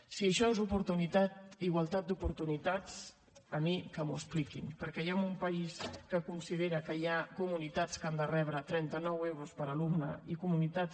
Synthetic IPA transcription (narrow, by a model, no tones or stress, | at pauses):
siəʃɔezupuɾt̪unit̪at̪iɣwalˠt̪at̪̚d̪upuɾt̪unit̪at͡s | əmikəmuəsplikimpəɾkɛjamumpəiskəkunsið̞eɾəkəjakumunit̪at͡skand̪ərɛβɾət̪ɾɛnt̪ənɔwewɾuspəɾəlumnə̰ikumunit̪a